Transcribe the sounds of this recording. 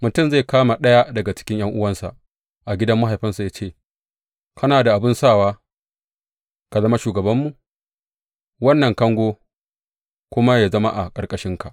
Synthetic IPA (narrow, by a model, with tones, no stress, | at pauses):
mʊ˨tʊ˦mza˦˨kaː˦ma˨ɗɐ˦ja˦dɐ˨ɡa˨t͡ʃɪ̥˦kʲɪ˦ɲj̰ʔɐ˦ŋʔʊ˦wɐ˦nsa̰˨ʔ | ʔa˨ɡʲɪ˦dɐ˦mːa˦ɦa˨jɸɪ˦nsa˨jaː˦t͡ʃeː˦˨ | kɐ˦naː˨da˨ʔa˨bɪ˦nsaː˦˨waː˦ | ka˨zɐ˦ma˦ʃuː˨ɡɐ˨bɐ˦mːu˨ʔ | wɐ˦nːɐ˨ŋkɐ˦ŋɡʷoː˦ | kʷʊ˦ma˦ja˨zɐ˦ma̰˦ʔa˨kʼɐ˨kʼɐ˦ʃɪ˦ŋka˨ʔ